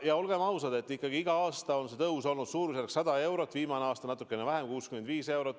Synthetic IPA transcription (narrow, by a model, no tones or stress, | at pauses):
jɑo̞lɡ̥e̞mɑwsɑd̪e̞t̪ːˑikːˑɑɡ̥iiɡ̥ɑɑːst̪ɑo̞nse̞t̪ɤuwso̞lnud̪̥suːɾuselksɑd̪̥ɑe̞wɾot̪ːˑviːmɑneɑːst̪ɑnɑt̪ːˑukːˑe̞nevæɦe̞mkuːskyme̞nd̪viːse̞wɾot̪ːˑ